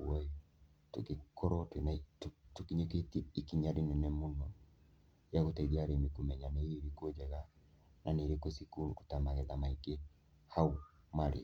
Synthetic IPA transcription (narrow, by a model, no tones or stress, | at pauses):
wɔi | tukikɔɾɔtenattukiɲeketiːkiɲaɾinɛnɛmunɔ | jaɣutɛɡaɾemikumɛɲanɛeɾikod͡ʒɛɣa | nʔaneɾekosikuɾuku̥tamaɣɛðamaike | hau | maɾḭ